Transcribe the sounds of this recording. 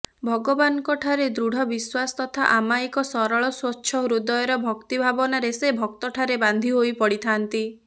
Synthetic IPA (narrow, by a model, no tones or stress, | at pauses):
bʱɔɡɔbanɔkɔʈʰaɾed̪ɾuɽʱɔbiswasɔ̥t̪ɔt̪ʰa̰ʔamaikɔsɔɾɔɭɔswɔtːʃʰɔɦuɾud̪ɔjɔɾɔbʱɔkt̪ibʱabɔnaɾesebʱɔk̚t̪ɔʈʰaɾeband̪ʱiɦojpɔɽit̪ʰant̪i